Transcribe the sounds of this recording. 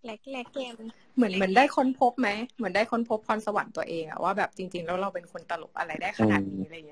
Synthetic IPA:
lɛ˨˦˥k̚lɛ˦kːe˧m | mɯ˩˦ənmɯ˩˦əndaː˥˩jkʰo˧˥˨npʰo˦˥p̚ma˦˥jmɯ˩˦əndaː˥˩jkʰo˧˥npʰo˦˥p̚ʰːɔː˧˥nsa˧wa̰˨˩˦nt̪u˧ɐʔeː˧ŋʔa̰˨˩wʔaː˥˩bɛː˨˩p̚t͡ɕi˧ŋt͡ɕi˧ŋlɛː˦˥wɾa˧wpe˧nkʰo˧nt̪a˧lo̰˨˩p̚ʔa̰˧ɾa˧jdaː˥˩jkʰa˧na̰ː˨˩t̪̚niː˦˥la˧˨˩i˦˥˧

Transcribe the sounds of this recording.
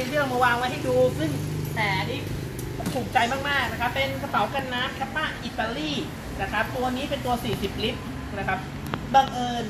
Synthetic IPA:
iː˥˩˨ma˧waː˧ŋwa˦˥jha˥˩jduː˧kʰɯ˥˩nt̪ɛː˨˩niː˥˩ | t̪ʰu˨˩k̚t͡ɕa˧jmaː˥˩k̚maː˥˩k̚na˦˥kʰɾa˦˥pːe˧nkʰa˧p̪a˨˦wka˧nːa˦˥t̪̚kʰa˦˧˥paː˥˩ʔʔi˨˩t̪ːa˧liː˥˩ | na˦˥kʰɾa˦˥p̚t̪u˧ɐniː˦˥pe˧nt̪u˧ɐsiː˨˩si˨˩p̚li˦˥p̚ | na˦˥kʰa˦˥p̚ | baː˧˩ŋʔɤː˧n

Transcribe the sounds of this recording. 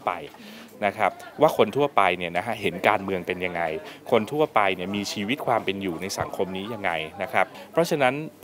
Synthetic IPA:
pa̰˧j | na˦˥kʰɾa˦˥p̚waː˥˩kʰo˧nt̪ʰu˥˩ɐpa˧jni˥˩ɐna˦˥kʰa˦˥ɦe˩˦nkaː˧nmɯ˧əŋpe˧nja˧ŋːa˧jkʰo˧nt̪ʰu˥˩ɐpa˧jni˥˩ɐmiː˧t͡ɕʰiː˧wi˦˥t̪̚kʰwaː˧mpe˧njuː˨˩na˧jsa̰˩˦ŋkʰo˧mniː˦˥ja˧ŋːa˧jna˦˥kʰɾa˦˥p̚pʰɾɔ˦˥t͡ɕʰa˧na˦˥n

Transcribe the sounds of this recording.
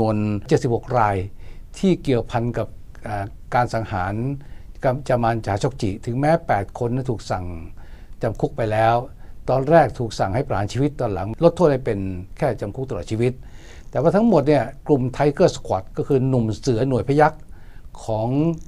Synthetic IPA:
u˧ənt͡ɕe˨˩t̪̚si˨˩p̚ho˨˩k̚ɾaː˧j | t̪ʰiː˥˩ki˨˩əwpʰa˧nka˨˩p̚ʔaː˨˩ | kaː˧nsa˩˦ŋhaː˩˦nka˧mt͡ɕa˧maː˧nt͡ɕʰaː˩˦˥t͡ɕʰɔ˥˧˩k̚t͡ɕḭ˨˩˨t̪ʰɯ˩˦ŋmɛː˦˥pɛː˨˩t̪̚kʰo˧nːi˥˩t̪ʰuː˨˩k̚sa˨˩ŋt͡ɕa˧mkʰu˦˥k̚pa˧jlɛː˦˥wt̪ɔː˧nɾɛː˥˩k̚t̪ʰuː˨˩k̚sa˨˩ŋha˥˩jphaː˨˦nt͡ɕʰiː˧wi˦˥t̪ːɔː˧nla̰˨˩˦ŋlo˦˥t̪ʰːoː˥˩ha˥˩jpe˧nkʰɛː˥˩t͡ɕa˧mkʰu˦˥k̚t̪a˧ɔ˨˩t͡ɕi˧wi˦˥t̪̚ | t̪ːɛː˨˩waː˥˩t̪ʰa˥ŋmo˨˩t̪̚ni˥˩ɐklu˨˩mt̪ʰa˧˥jkɤː˥˩skʰwa˨˩t̪̚kɔː˥˩kʰɯː˧nu˨˩msɯ˩˦ɐnu˨˩əjpʰa˧ja˦˥k̚ʰː | ɔː˩˦ŋ

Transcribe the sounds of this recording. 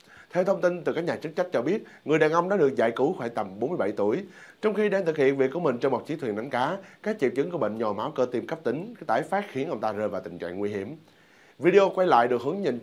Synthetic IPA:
t̪ʰɛ˧wt̪ʰə˧wŋ͡mt̪i˧nt̪ɨ˨˩kaː˦˥k̚ɲaː˨˩t͡ɕɨ˦˥k̚t͡ɕa˦˥k̟̚t͡ɕɔ˧ɓi˦˥ət̚ | ŋɨ˨˩əjɗaː˨˩nʔə˧wŋ͡mɗa̰ː˧˥ɗɨ˨˩ək̚za̰ː˧˨jku˧˦xwaː˧˩jt̪ə˨˩mɓo˨˦nmɨ˧jɓa˧˩jt̪u˧˩əj | t͡ɕɔ˧wŋ͡mxi˧ɗaː˧nt̪ʰɨ˨˩k̚hḭ˧˨ənvi˨˩kːu˧˩mï˨˩ŋ̟t͡ɕŋ͡mmɔ˨˩t͡ɕi˨˦t̪wi˨˩na˨˦ŋ̟kaː˨˦kaː˦˥k̚t͡ɕḭ˧˨w̚t͡ɕɨ˨˦ŋku˧˩əɓə̰˧˨ŋɲɔ˨˩maː˨˦wkəː˧t̪i˧˩mkə˦˥p̚t̪ï˨˦ŋ̟t̪aː˧˩jfaː˦˥t̚xi˨˦ənʔə˧wŋ͡mt̪aː˧zəː˧jvaː˨˩wt̪ï̟˨˩t͡ɕa̰ː˧˨ŋːwi˧ɦi˧˩əm | vi˧ɗe˧ʔo˧kwa˧jla̰ː˧˨jɗɨ˨˩ək̚hɨ˨˦əŋɲə˨˩n

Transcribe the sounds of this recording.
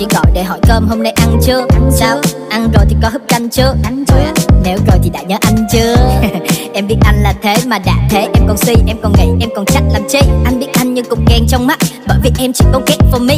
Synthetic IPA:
t͡ɕḭ˧˩ɣɔ̰˧˨jɗe˧˩ɦɔ˧˩jkəː˧mɦo˧mna˧jʔa˧nt͡ɕɨ˧əsaː˧w | ʔa˧nzo˨˩jt̪ʰi˨˩kɔ˨˦ɦɨ˦˥p̚t͡ɕa˧jŋt͡ɕɨ˧ə˧ne˨˦wzo˨˩jt̪ʰi˨˩ɗa̰ː˧˥ɲəː˨˦ʔa˧jŋ̟t͡ɕɨ˧ə | ʔɛ˧mɓi˦˥ət̚ʔa˧jŋ̟laː˨˩t̪ʰe˨˦maː˨˩ɗa̰ː˧˥t̪ʰe˨˦ʔɛ˧mkɔ˨˩nsi˧ʔɛ˧mkɔ˨˩nŋa̰˨˧˩jʔɛ˧mkɔ˨˩nt͡ɕa˦˥t̚laː˨˩mt͡ɕi˧ʔa˧ŋ̟ɓi˦˥ət̚ʔa˧jŋ̟ɲɨ˧kʊ̰˧˩ŋ͡mkɛ˧˩ŋt͡ɕɔ˧wŋ͡mma˦˥t̚ɓə̰ː˧˨jvḭ˨˩ʔɛ˧mt͡ɕḭ˧˨kɔ˨˦ke˦˥t̚fɔ˧mï˧˩

